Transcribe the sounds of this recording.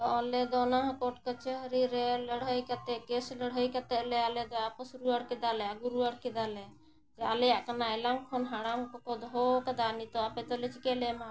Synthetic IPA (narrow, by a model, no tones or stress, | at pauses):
t̪ɔalɛd̪ɔnaɦãkɔʈ̚kət͡ʃəɦəɾiɾɛləɽ̤ɦəjkat̪ɛkesləɽ̤ɦəjkat̪ɛʔlɛalɛd̪ɔapɔsɾuaɽkɛd̪alɛaɡuɾuaɽkɛd̪alɛ | d͡ʒɛalɛjaʔkanaɛlamkʰɔnɦaɽamkɔkɔd̪ɦɔkad̪anit̪ɔapɛt̪ɔlɛt͡ʃikɛlɛma